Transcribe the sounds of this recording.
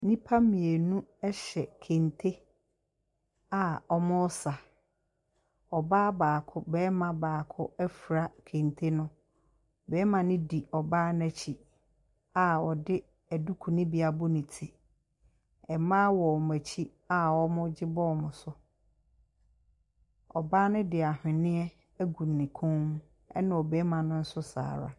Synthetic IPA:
nĩ˦pʰa˦mĩ˨e˨nũ˦ɛ˦ɕɛ˨kʰẽ˨ntʰe˦ | a˨ɔ˦mʊ̃˦sa˨ | ɔ˨baː˦baː˨kʰʊ˦bɛː˦mã˨baː˨kʰʊ˦ɛ˦fu˨ɾa˦kʰẽ˨ntʰe˦nʊ̃˦ | bɛː˦mã˨nɪ̃˦di˨ɔ˨baː˦nɛ˨t͡ɕʰi˨ | a˨ɔ˨dɪ˦ | æ˨du˦kʰu˨nɪ̃˦bi˨a˨bʊ˦nɪ̃˨tʰi˨ | ɛ˨mãː˦wɔ˨ɔ˨mæ˨t͡ɕʰi˦ | a˨wɔ˦mʊ̃˦d͡ʑɪ˦bɔ˦˨mʊ̃˨sʊ˦ | ɔ˨baː˦nʊ̃˦dɪ˨a˨hᶣɪ̃˨nɪ̃˦ɛ˦ | æ˦ɡu˨nːɪ̃˨kʰõ˦ŋ̃˦ | ɛ̰˦nʊ̃˨ɔ˨bɛː˨˦mã˨nʊ̃˦n̩˦sʊ˦sa̰ː˨ɾa̰˨

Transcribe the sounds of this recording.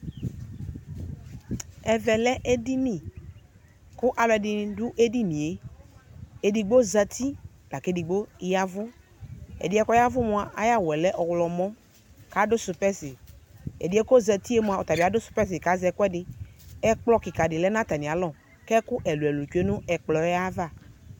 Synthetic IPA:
ɛ˨vɛ˨lɛ˦ʔe˦di˦nĩ˨ | kʊ˦ʔa˨lɔ˨ɛ˨dɪ˨dʊ˦ʔe˦di˦nĩ˨e˨˦ | e˨di˨ɡ͡bo˦za˦t̪i˦ | b̥a˨ke˦di˨ɡ͡bo˦ja˦vʊ˦ | ḛ˨di˨˦ɛ˦kɔ˦a˦vʊ˦mũ˨˦a˨ʔa˦ja˦wɛ˨lɛ˦ʔɔ˨wlɔ˨mɔ̃˦ | ka˨dʊ˦sʊ˨pɛ˦sɪ˨ḛ˨di˨˦e˦ko˦zə˨t̪i˦e˦mũ˨a˨o˨t̪a˨bi˨a˨˦dʊ˦sʊ̥˨pɛ˦sɪ˨ka˦zɛ˨kɔ˦ɛ˦dɪ˦ɛ˦k͡plɔ˦ki˨ka˨ɖɪ˨lɛ˦nã˦t̪a˨nĩ˨a˨lɔ˨ | kɛ˦ku˦ʔɛ˨lu˨ɛ˨lu˨t͡ʃu˦e˦nũ˦ɛ˨k͡plɔ˨ɛ˦a˦va˦˨

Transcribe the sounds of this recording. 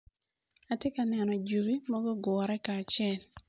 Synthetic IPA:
a˨tje˦ka˨nɛ˨nɔ˨d͡ʒu˨bi˦mɔ˦ɡɔ˦ɡɔ˨ɾɛ˦kaː˨t͡ʃɛ˨l

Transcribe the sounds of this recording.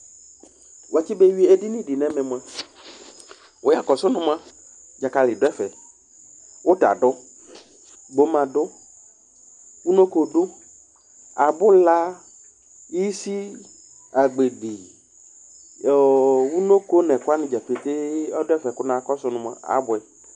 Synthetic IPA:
wa˨t͡ʃi˦be˦wi˦e˦di˦nĩ˦ɖi˨nɛ̃˨mɛ̃˨m˨ã˨ | wo˦ja˨kɔ˨sʊ˦nʊ̃˦m˦ã˦ | d͡ʒa˨ka˨lɪ˨ɖʊ˦ɛ˦fɛ˨ | wo˦t̪a̰˨ɖʊ˦ | ɡ͡bo˦mã˨ɖʊ˦ | wu˦no˦ko˦ɖʊ˦ | a˨bʊ˦la˦ | i˦si˦ | a˨ɡ͡be˨ɡ͡bi˨ | wu˦no˦ko˦nɛ̃˨kʊ˦a˦nɪ̃˨d͡ʒa˨fe˨t̪e˦ɔ˦dʊ˦ɛ˦fɛ˨kʊ˦nã˨˦kɔ˦sʊ˦nʊ̃˦m˦ã̰˦˨a̰˨˦bʊ˨ɛ˨

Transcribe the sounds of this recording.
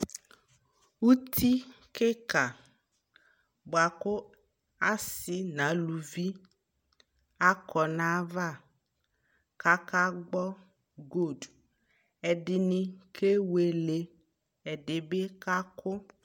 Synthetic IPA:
wu˦t̪ʰi˦ | ke˦ka˨ | bo˨a˨kʊ˦ | a˦sɪ˨nã˨˦lu˨vi˦ | a˦kʰɔ˨nã˦va˦˨ | ka˦ka˦ɡ͡bɔ˦ | ɡo˦˨d | ɛ˨ɖɪ˨nɪ̃˨kʰe˦we˨le˨ | ɛ˨ɖɪ˨be˦ka˦kʰʊ˦

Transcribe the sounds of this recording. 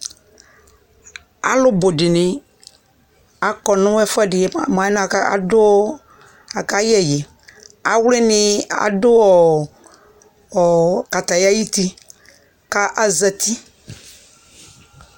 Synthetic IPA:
a̰˨˦lʊ˦bʊ˨dɪ˨nɪ̃˨ | a˨kɔ˨nʊ̃˦wɛ˦fɛ˦dɪ˨m˨ã˨˦n˦a˨ka˦a̰˨dʊ˦ | a˨ka˦jɛ˦jɛ˨ | a˨wlɪ˦nɪ̃˨a̰˨dʊ˦ɔ˨ | ka˨t̪a˨ja˦ji˦ti˦ | ka˦ʔa˦za˨tʰi˦

